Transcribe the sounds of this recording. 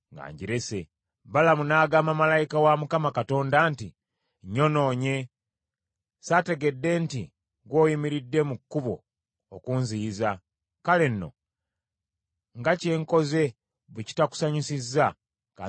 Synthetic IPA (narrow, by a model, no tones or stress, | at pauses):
ŋɡa̰ːɲɟiɾese̞ | balamunaːɡaːmamalajikawamukamakato̞ːndanti | ɲo̞no̞ːɲe̞ | sate̞ɡe̞dːe̞ntḭ | ɡwo̞ːjimiɾidːe̞mukːuβo̞̰ː | kunziːza | kalenːo̞̰ | ŋɡace̞ːŋko̞ze̞ | βuci̥taku̥saɲusizːa | ka̰